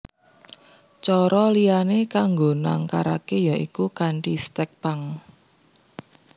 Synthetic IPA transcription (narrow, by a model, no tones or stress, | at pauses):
t͡ʃɔɾɔlijanekaŋɡonaŋkaɾakejaikukaɳʈist̪ɛk̚paŋ